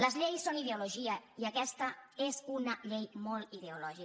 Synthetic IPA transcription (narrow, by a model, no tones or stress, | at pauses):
ləzʎejsːoniðeuluʒiəiəkɛst̪əezunəʎejmolˠt̪ið̞eulɔʒi